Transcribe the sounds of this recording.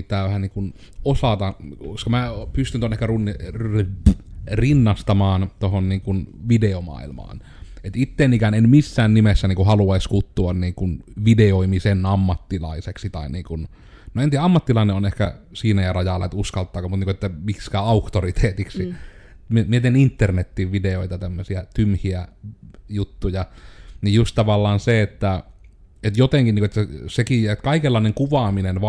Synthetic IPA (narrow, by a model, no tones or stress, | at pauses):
t̪ˑæːʋæhæniːŋkun | osɑt̪ɑkoskɑmæpyst̪ynt̪onehkærunːi | rinːɑst̪ɑmɑːnt̪ohonniːŋkunʋideomɑ̰ˑilmɑ̰ːn | et̪it̪ːenikænenmisːæːnnimesːæniːŋkuhɑluɑiskut̪ːuɑnniːŋkunʋideoimisenɑmːɑt̪ːilɑiseksit̪ɑˑiniːŋkun | noent̪iːæɑmːɑt̪ːilɑˑineonehkæsiːnæjɑrɑjɑlːɑ̰et̪uskɑlt̪ːˑɑːkomut̪niːkoet̪ːæmikskæːɑukt̪orit̪ʰeːt̪iksimiemiet̪einint̪ːernet̪ːiʋʋideoit̪ɑt̪æmːøsiæt̪ymhiæ | jut̪ːujɑnijjust̪t̪ɑʋɑlːɑːnseet̪ːæ | et̪jot̪eŋkinːiːkoet̪ːæsekijet̪kɑikelːɑˑineŋkuʋɑminenʋɑ